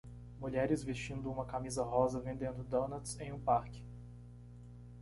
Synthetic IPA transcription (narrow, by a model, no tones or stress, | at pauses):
muʎɛɾɪzvest͡ʃĩnd̪ʊũmɐkamizɐɦɔzɐvẽnd̪ẽnd̪ʊd̪õnɐt̪sẽj̃ũpaɾkɪ̥